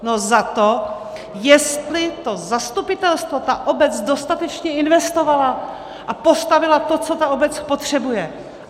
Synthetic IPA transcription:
nozat̪o | jɛst̪lɪt̪o̞zast̪upɪt̪ɛlst̪vo̞t̪aʔobɛt͡sdo̞st̪at̪ɛt͡ʃɲɛɪnvɛst̪o̞vala | ʔapo̞st̪avɪlat̪o̞t͡so̞t̪aobɛt͡spo̞t̪r̝̥ɛbujɛ

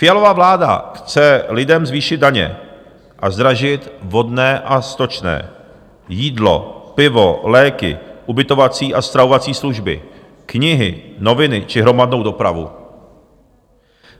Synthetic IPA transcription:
fɪjalo̞vavlaːda̰xt͡sɛlɪdɛmzviːʃɪd̪̚daɲɛ̰ | ʔazd̪ɾaʒɪt̪vɦo̞dnɛːʔast̪ot͡ʃnɛ̰ː | jiːdlo̞̰pɪvolɛːkɪ̰ʔubɪt̪o̞vat͡siːʔast̪ɾavovat͡siːsluʒbɪ̰ | kɲɪɦɪ̰no̞vɪnɪt͡ʃɪɦɾo̞madno̞wdo̞pɾavṵ

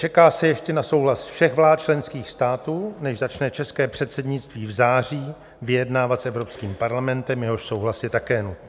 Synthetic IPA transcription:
t͡ʃɛkaːsɛjɛʃcɛnaso̞wɦlasfʃɛɣvlaːt̪̚t͡ʃlɛnskiːxst̪aːt̪uːnɛʃzat͡ʃnɛt͡ʃɛskɛːpr̝̥ɛt̪sɛdɲɪtt͡st̪viːvzaːr̝iː | vɪjɛdnaːvat̪sʔɛvɾo̞pskiːmpaɾlamɛnt̪ɛmjɛɦo̞ʃso̞wɦlasjɛt̪akɛːnut̪n

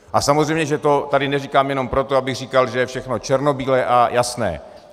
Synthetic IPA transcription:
ʔasamozrɛjmɲɛʒɛt̪o̞t̪adɪnɛriːkaːmjɛno̞mpɾot̪oabɪɣr̝iːkalʒɛjɛfʃɛxno̞t͡ʃɛɾnobiːlɛʔajasnɛ̰ː

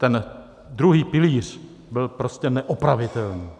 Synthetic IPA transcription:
t̪ɛn | d̪ɾuɦiːpɪliːr̝̥ | bɪlpɾo̞scɛnɛʔopɾavɪt̪ɛlniː

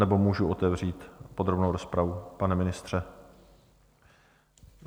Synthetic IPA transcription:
ɛbo̞muːʒuʔo̞t̪ɛvr̝iːt̪po̞d̪ɾo̞bnowɾo̞spɾavupanɛmɪnɪst̪r̥ɛ

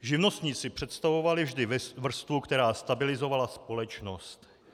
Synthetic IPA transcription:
ʒɪvno̞st̪ɲiːt͡sɪpr̥ɛt̪st̪avo̞valɪvʒdɪvr̩st̪vukt̪ɛɾaːst̪abɪlɪzo̞valaspo̞lɛt͡ʃno̞st̪

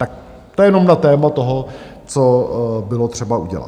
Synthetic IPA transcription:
t̪ak̚ | t̪ojɛno̞mnat̪ɛːmat̪o̞ɦo | t͡sobɪlot̪r̝̥ɛbaʔuɟɛ̰la̰t̪

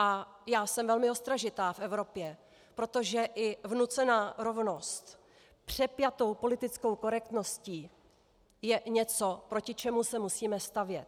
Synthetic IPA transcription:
ʔa | jaːsɛmvɛlmɪost̪ɾaʒɪt̪aːfʔɛvɾo̞pjɛ | pɾo̞t̪o̞ʒɛʔɪvnut͡sɛnaːɾo̞vno̞st̪ | pr̝̥ɛpjat̪o̞wpo̞lɪt̪ɪt͡sko̞wko̞ɾɛk̚t̪no̞sciː | jɛɲɛt͡so̞pɾo̞cɪt͡ʃɛmusɛmusiːmɛst̪avjɛt̪̚

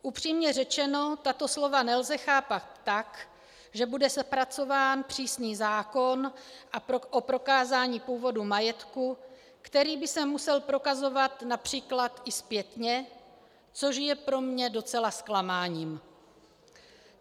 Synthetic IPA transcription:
ʔupr̝̥iːmɲɛrɛt͡ʃɛno̞t̪at̪o̞slo̞vanɛlzɛxaːpat̪ːak | ʒɛbudɛspɾat͡so̞vaːnpr̝̥iːsniːzaːko̞nʔaʔopɾo̞kaːzaːɲiːpuːvo̞dumajɛt̪ku | kt̪ɛɾiːbɪsɛmːusɛlpɾo̞kazo̞vat̪napr̝̥iːklat̪ʔɪspjɛt̪ɲɛ | t͡so̞ʃjɛpɾo̞mɲɛdo̞t͡sɛlasklamaːɲiːm

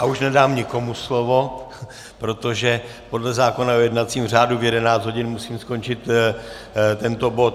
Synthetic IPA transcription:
ʔauʃnɛdaːmɲɪko̞muslo̞vo̞ | pɾo̞t̪o̞ʒɛ | po̞dlɛzaːko̞naojɛdnat͡siːmr̝aːduvjɛdɛnaːt͡s̪ɦo̞ɟɪnmusiːmsko̞nt͡ʃɪt̪ | t̪ɛnt̪obo̞t̪

